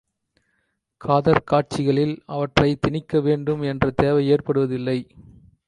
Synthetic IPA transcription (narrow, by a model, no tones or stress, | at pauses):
kʰaːðɐɾkaːʈ̚t͡ʃɪɣɐɭɪlɐʋɐʈrɐɪt̪ɪnɪkːɐʋeːɳɖɯmɛndrɐt̪eːʋɐɪeːrpɐɽɯʋɐðɪlːɐɪ